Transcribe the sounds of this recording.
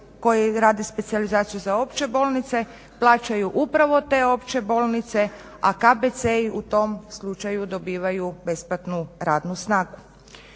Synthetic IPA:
ko̞jiɾaːd̪espe̞t̪sializaːt̪sijuzao̞pt͡ʃe̞bo̞ːlˠnit̪se̞ | plˠaːt͡ʃajuʔupɾaʋo̞t̪e̞ːo̞pt͡ʃe̞bo̞ːlˠnit̪se̞ | akabet̪seiʔut̪o̞mslˠut͡ʃajud̪o̞biːʋajube̞splat̪nuɾaːd̪nusnaːɡu

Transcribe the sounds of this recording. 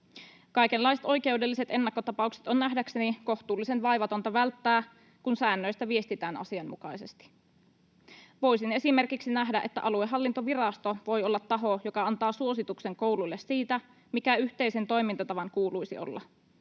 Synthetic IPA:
kɑjk̟e̞lːɑjset̪o̞jke̞wde̞lːise̞t̪e̞nːɑkːo̞t̪ɑpɑukse̥t̪o̞nːæɦdækseniko̞ht̪uːlːise̞nʋɑjʋɑt̪o̞nt̪ɑʋælt̪ːæː | kunsæːnːø̞jst̪æʋie̞st̪it̪æːnɑ̰siɑmmṵkɑjse̞st̪i̥ | ʋo̞jsine̞sime̞rkiksinæɦdæʔet̪ːæ̰ʔɑlueɦɑlːint̪o̞ʋirɑst̪o̞ʋo̞jo̞lːɑt̪ːɑɦo̞jokɑɑnt̪ɑːsuo̞sit̪ukse̞ŋko̞wlulːesːiːt̪æ | mikæyht̪e̞jse̞nt̪o̞jmint̪ɑt̪ɑʋɑŋkuːlujsio̰lːɑ̰

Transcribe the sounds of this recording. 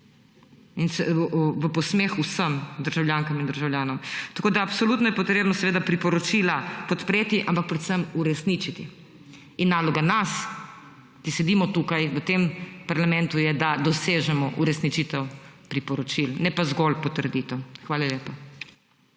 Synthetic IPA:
insɛʋəpɔsmexusəmd̪əɾʒawljaːŋkamind̪əɾʒawljaːnɔmt̪akoːd̪aːpsɔlut̪nɔjɛpɔt̪ɾeːbnɔsɛʋeːd̪apɾipɔɾɔt͡ʃilapɔt̪pɾeːt̪iʔampak̚pɾɛt̪səmuɾɛsnit͡ʃit̪i | inːaːlɔɡanas | k̪isɛd̪iːmɔt̪ukajʋət̪empaɾlamɛ̃nt̪ujɛd̪ad̪ɔseːʒɛmɔʔuɾɛsnit͡ʃit̪ɛwpɾipɔɾɔt͡ʃilnɛpazɡɔlpɔt̪əɾd̪it̪ɛwxʋaːlaljeːpa

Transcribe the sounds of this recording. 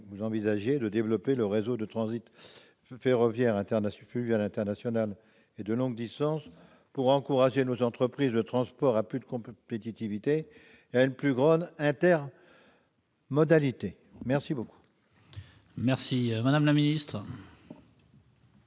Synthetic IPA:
vuzɑ̃vizaʒjed̪əd̪evlɔpeləʁezod̪ət̪χɑ̃zit̪ | feʁɔvjɛʁɛ̃t̪ɛʁnafyvjɛlɛ̃t̪ɛʁnasjɔnal | ed̪əlɔ̃ɡd̪ist̪ɑ̃s | puʁɑ̃kuʁaʒenozɑ̃t̪χəpχizlət̪χɑ̃spɔʁaplyd̪əkɔ̃pet̪it̪ivit̪eː | aynplyɡʁɑ̃d̪ɛ̃t̪ɛʁ | mɔd̪alit̪e | mɛʁsiboku̥ | mɛʁsimad̪amlaminist̪χ

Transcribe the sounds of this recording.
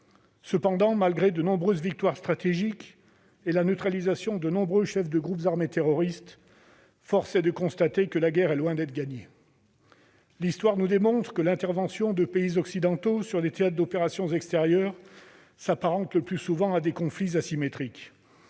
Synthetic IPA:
səpɑ̃d̪ɑ̃malɡʁed̪ənɔ̃bʁøzvik̚t̪waʁst̪χat̪eʒik | elanøt̪χalizasjɔ̃d̪ənɔ̃bʁøʃɛfd̪əɡʁupzaʁmet̪eʁɔʁist̪ | fɔʁsɛd̪əkɔ̃st̪at̪ekəlaɡʲɛʁɛlwɛ̃d̪ɛt̪χəɡʲaɲe | list̪waʁnud̪emɔ̃t̪χə̥kəlɛ̃t̪ɛʁvɑ̃sjɔ̃d̪əpeizɔksid̪ɑ̃t̪osyʁlet̪eat̪χd̪ɔpeʁasjɔ̃zɛkst̪eʁjœʁ | sapaʁɑ̃t̪ləplysuvɑ̃ad̪ekɔ̃flizasimet̪χik

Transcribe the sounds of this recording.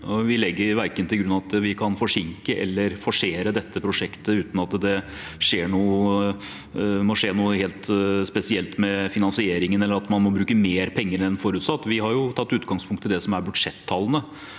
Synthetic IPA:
ʋɪlɛɡːəɾʋæɾkənt̪ɪɡɾʉnɑʋɑt̪ʋɪkʰɑnfɔʂɪŋkəʔɛ̰lːəɾfɔʂeːɾəd̪ɛt̪ːəpʰɾʊʂɛkt̪əʉːt̪n̩ɑt̪d̪ɛ | ʂeːɳuː | mɔʂeːnuːəheːlt̪spɛsɪɛlt̪mɛfɪnɑnsɪeːɾɪŋənɛlːəɾɑt̪mɑnmɔbɾʉːkəmeːɾpʰɛŋːəɾɛnfɔɾʉt̪sɑt̪ːʋɪɦɑɾjʊt̪ʰɑt̪ːʉːt̪ɡɑŋspʰʊŋkt̪ʰːɪld̪ɛsɔmæɾbʉd̪ʂɛt̪ʰːɑlːənə

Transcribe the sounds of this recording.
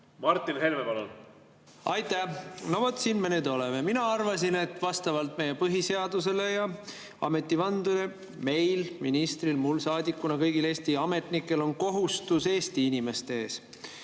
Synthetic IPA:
mɑrt̪ːˑinɦe̞lmevɑlol | ɑjt̪ːˑænovot̪siːnme̞neːd̪o̞leme̞minɑɑrvɑs̬ine̞t̪ːˑvɑst̪ɑvɑlt̪̚me̞jepɤɦise̞ɑd̪̥us̬e̞le̞jɑ | ɑ̰me̞t̪ˑːivɑnd̪̥ule | me̞jlminist̪rilmulsɑːd̪ikːˑunɑkɤjɡile̞ːst̪iɑme̞t̪ˑnikːˑe̞lo̞nko̞ɦust̪use̞ːst̪iinime̞st̪e̞eːs

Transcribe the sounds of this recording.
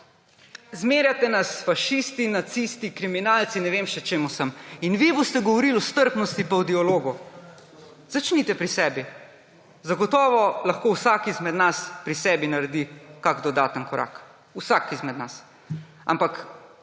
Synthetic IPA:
zmeːɾjat̪ɛnasfaʃist̪inat̪sist̪ikɾiminalt̪sinɛʋeːmʃɛt͡ʃeːmusəminʋibost̪ɛɡɔʋɔɾilɔst̪əɾpnɔst̪ipawd̪iɔloːɡu | zat͡ʃnit̪ɛpɾisɛːbi | zaɡɔt̪ɔːʋɔlɐxkowsakizmɛd̪naspɾisɛbinaɾɛd̪ikaɡd̪ɔd̪aːt̪ənkɔɾʔa̰ːk | usakizmɛd̪nas | a̰mpak

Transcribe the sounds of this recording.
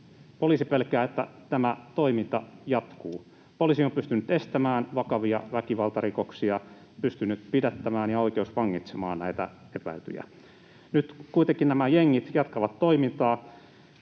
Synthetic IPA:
poliːsipelkæːet̪ːæ̰t̪æmæt̪oimint̪ɑjɑt̪kuː | poliːsiompyst̪ynyt̪est̪æmæːnʋɑkɑʋiɑʋækiʋɑlt̪ɑrikoksiɑ | pyst̪ynːyt̪pidæt̪ːæmæːnjɑoikeusʋɑŋːit̪semɑ̰ːnnæit̪æ̰ | epæ̰ilt̪y̰jæ̰ | nyt̪kuit̪eŋkinnæmæjeŋːit̪jɑt̪kɑʋɑt̪toimint̪ɑː

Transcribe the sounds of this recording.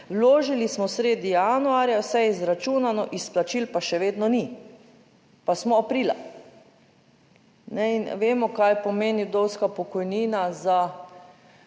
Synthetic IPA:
wloːʒilismɔsɾeːd̪ijanuaɾjawsɛjizɾat͡ʃuːnanɔʔisplat͡ʃilpaʃɛʋeːd̪nɔni | pasmɔapɾiːla̰ | nɛin̰ʋeːmɔkajpɔmeːniwd̪owskapɔkɔjniːnaza

